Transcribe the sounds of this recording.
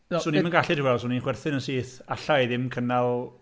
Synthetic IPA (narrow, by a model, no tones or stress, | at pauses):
suːnimənŋɡaɬɪd̥iwɛlˠsuːninχwɛrθɨnənsiːθaɬajðɪmkʰənalˠ